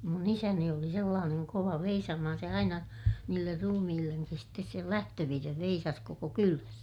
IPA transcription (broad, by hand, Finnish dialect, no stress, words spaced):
mun isæni oli selːɑːneŋ koʋɑ ʋeisɑːmɑhɑn se ɑinɑ niːlːer rumihilːeŋkis stes sel læhtøʋirːeʋ ʋeisɑs koko kylæs